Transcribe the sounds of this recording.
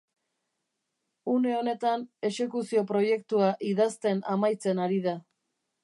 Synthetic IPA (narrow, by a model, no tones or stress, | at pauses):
une̞o̞ne̞t̪ane̞se̞kusio̞pɾo̞je̞kt̪uaʔiðast̪e̞namajt͡se̞naɾiða